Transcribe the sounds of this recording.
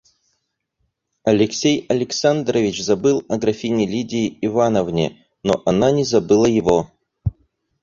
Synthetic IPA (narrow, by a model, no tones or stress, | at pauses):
ɐlʲɪksʲejɐlʲɪksand̪rəvʲɪt͡ɕzɐbɨlˠɐɡɾɐfʲinʲɪlʲidʲɪːɪvanəvnʲɪ̰ | no̰ʔɐnanʲɪzɐbɨlˠəjɪvo